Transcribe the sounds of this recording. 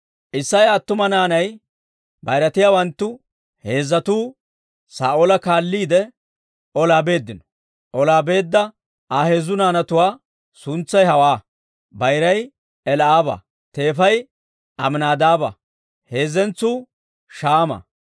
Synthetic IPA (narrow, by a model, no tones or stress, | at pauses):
ʔɪsːɐjɐt̪ːʊmɐnaːnɐj | bɐjɾɐt̪ɪjaːwɐnt̪ːʊ | he̞ːzːɐt̪uː | saːʔolɐkaːlːiːd̪ɛ | ʔɔlaːbe̞ːd̪ːɪnɔ̥ | ʔɔlaːbe̞ːd̪ːɐ | ʔaːhe̞ːzʊnaːnɐt̪ʊwaː | sʊnt͡sːɐjɦɐwaː | bɐjɾɐj | ɛlaːbɐ̰ | t̪e̞ːfɐj | ʔɐmnaːd̪aːbɐ̰ | he̞ːzɛnt͡suː | ʃaːmɐ̰